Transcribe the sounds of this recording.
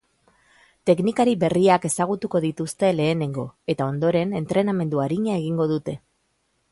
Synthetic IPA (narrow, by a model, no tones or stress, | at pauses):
t̪e̞knikaɾiβe̞riake̞saɣ̞ut̪uko̞ðit̪ust̪e̞le̞ːne̞ŋɡo̞e̞t̪ao̞nd̪o̞ɾe̞ne̞nt̪ɾe̞name̞nd̪uaɾiɲae̞ɣ̞iŋɡo̞ð̞ut̪e̞